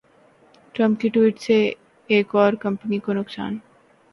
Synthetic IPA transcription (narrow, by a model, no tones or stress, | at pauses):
ʈɾəmp̚kiʈuiʈt͡ɕʰe | ekɔɾkəmpənikonokʃa̰n